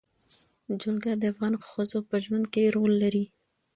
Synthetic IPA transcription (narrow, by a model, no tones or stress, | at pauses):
d͡ʒʊlɡad̪əafɣɑnxəzopəʒwand̪̚keɾolːaɾi